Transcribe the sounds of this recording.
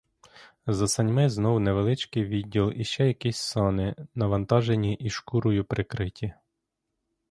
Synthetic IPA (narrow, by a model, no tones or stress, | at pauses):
zɐsɐnʲmɪznɔwneʋelˠɪt͡ʃkɪjʋʲidʲːilˠiʃt͡ʃɛjɐkisʲsɑnɪnɐʋɐnt̪ɑʒenʲiʔiʃkuɾʊjʊpɾɪkɾɪtʲi